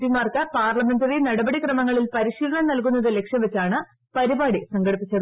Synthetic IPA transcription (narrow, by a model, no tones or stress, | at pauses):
imaːrkɐpaːrɭɐme̞nd̪ɐðenɐɽɐbɐɽikrɐmɐŋːɐɭilpɐɾiɕiːlɐɳɐmnɐlkunːɐðɨle̞kʂjɐmʋet͡ɕːaːɳɨ | pɐɾibaːɽisɐŋɡɐɽipːit͡ɕːɐ